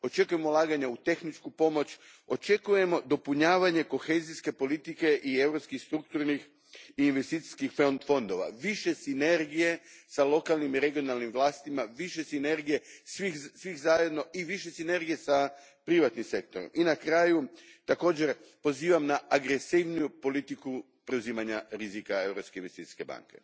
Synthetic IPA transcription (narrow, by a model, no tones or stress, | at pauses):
o̞t͡ʃe̞kuje̞molˠaːɡaɲaut̪e̞xnit͡ʃkupo̞mo̞t͡ɕ | o̞t͡ʃe̞kuje̞mo̞d̪o̞puɲaːʋaɲe̞ko̞xe̞ːziske̞po̞lit̪ike̞ʔie̞vɾo̞pskixst̪ɾuk̚t̪uɾnix | iːnʋe̞st̪iːt̪i̥skixfofo̞nd̪o̞ʋa̰ʋiʃe̞sine̞ɾɡije̞salˠo̞kalˠnimiɾe̞ɡio̞nalnimʋlˠaːst̪imaʋiʃe̞sine̞ɾɡije̞sʋisʋixzaje̞d̪no̞ʔiʋiʃe̞sine̞ɾɡije̞sa | pɾiʋat̪nimse̞k̚t̪oɾo̰minakɾaːjut̪ako̞ːd͡ʑe̞ɾpo̞ziːʋamnaʔaɡɾe̞siʋnijupo̞lit̪iku | pɾe̞uziːmaɲaɾizikae̞vɾo̞pskeinʋe̞st̪it̪i̥ske̞ba̰ŋke̞̰